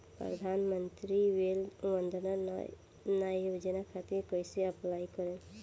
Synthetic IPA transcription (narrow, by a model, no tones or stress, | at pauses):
pɾə̰d̪ʱanmənt̪ɾiʋelʋənd̪na | najod͡ʒənakʰat̪iɾkojseəplaikɔɾe